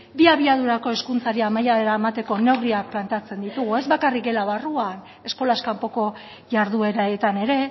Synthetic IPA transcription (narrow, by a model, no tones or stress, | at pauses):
biaβiað̞uɾako̞e̞skunt͡saɾiamajaβeɾaemat̪e̞ko̞ne̞wɣɾiak̚plant̪eat͡se̞nd̪it̪uɣ̞ue̞zβakarik̚ɡe̞laβaruan | e̞sko̞laskampo̞ko̞ | ʝaɾðue̞ɾaet̪ane̞ɾe̞